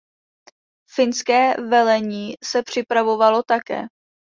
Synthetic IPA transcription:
fɪnskɛːvɛlɛɲiːsɛpr̝̥ɪpɾavo̞valo̞t̪akɛ̰ː

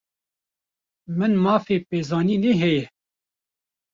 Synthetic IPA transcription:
mɨnmɑːfeːpeːzɑːniːneːɦɛjɛ

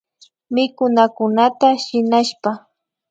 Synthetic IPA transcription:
mɪkʊnakʊnat̪aʃɪnaʃpa

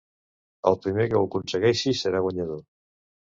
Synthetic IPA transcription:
alˠpɾimekeokunseɣejsisːeɾaɣwaɲaðoɾ

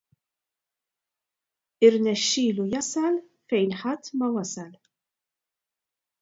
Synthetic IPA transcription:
ɪɾnɛʃːiːlujɐsɐl | fɛjnħɐt̪ːmɐwɐsɐl

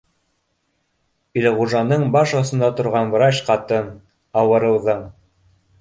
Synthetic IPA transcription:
ilʁuʒɑnɤɴbɑʃŏsɤ̆nd̪ɑt̪ŏɾʁɑnv̆ɾɑʃqɑt̪ɤn | ɑwɤ̆ɾɤ̆wðɤɴ

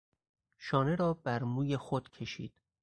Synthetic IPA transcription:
ʃɒːne̞ɾɒːbæɾmuːje̞xod̪̥cʰe̞ʃḭːd̪̥

